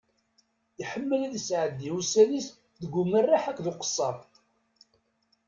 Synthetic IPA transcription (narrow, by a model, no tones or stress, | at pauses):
iħəmːəlæðəsʕəd̪iusælis | ðəɡʷʊmːərːaħækðʊqə̥sˤːɑɾ